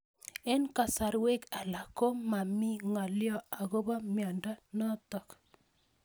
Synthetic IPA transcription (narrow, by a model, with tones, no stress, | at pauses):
e˦nka˨sa˨ɾwe˦ka˨la˨ko˦ma˨mi˦ŋa˨ljɔ˦a˨ɣo˦ba˦mjɔ˨nda˦nɔ˦tɔ˨k